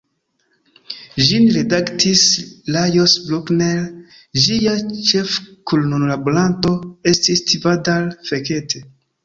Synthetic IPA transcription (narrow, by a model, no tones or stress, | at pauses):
ʒinɾedaktʰislajosbloknel | ʒiat͡ʃefkulnonlaboɾanto̞e̞stistʰivadalfeketʰe